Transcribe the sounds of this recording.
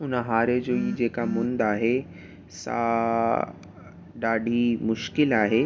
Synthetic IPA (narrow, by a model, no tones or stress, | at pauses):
ʊnɦaːɾed͡ʒoːid͡ʒeːkamʊ̃nd̪aːɦe | sa̰ː | ɖaːɖʱimʊʃkɪlaːɦe